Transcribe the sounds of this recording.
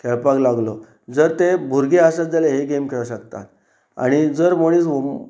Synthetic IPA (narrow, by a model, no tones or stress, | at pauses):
kʰɛɭpaklaɡlo | d͡zəɾt̪ebʱuɾɡeɦasat͡s̚d͡zaleɦeɡemkʰeɭaɕək̚t̪a̰t̪ | a̰ɽ̃id͡zəɾmõiːs